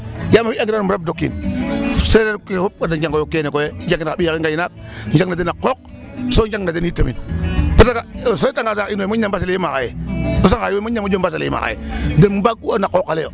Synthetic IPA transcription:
jamaiaŋɡinaumɾab̚dokːḭn | seɾekehop̚kadad͡ʒaŋɡojokenekojed͡ʒakinaiakiŋɡajinak̚ɲd͡ʒaŋnadenakok̚ | sod͡ʒaŋnadenitamḭnpatakasoitaŋɡasakinomoambas̬aleimaɣa̰jeosaŋkajooɲamd͡ʒombas̬elḛima̰a̰jḛdembaɡuanakokːaleo̰

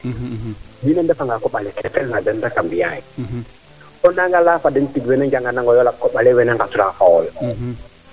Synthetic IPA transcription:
binɛndɛfaŋɡakɔɓalɛkɛkɛlŋadɛndakambijai | ɔnaŋɡalafadɛntiɡwɛnɛɲd͡ʒaŋɡanaŋɡɔjɔlakːɔɓalɛwɛnɛŋkasuɾafaɔl

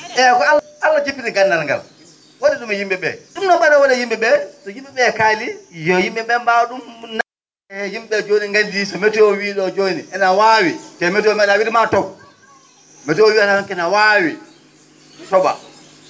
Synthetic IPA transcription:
ʔɛkɔal | alːat͡ʃipːiɾiɡanːalŋɡa̰l | woɗiɗumɛjimɓɛɓɛ̰ɗumnɔɓaɾawɔnɛjimɓɛɓɛtɔjimɓɛɓɛkaːlijɔjimɓɛɓɛmbaɗumna | ɛjimɓɛɓɛd͡ʒoniŋɡandisɔmɛtɔɔwiɗɔd͡ʒoniʔɛnawawitɛmɛtɔɔmnawiɗimatɔw | mɛtɔɔwiatanɔmkɛnawawi | tɔɓa̰

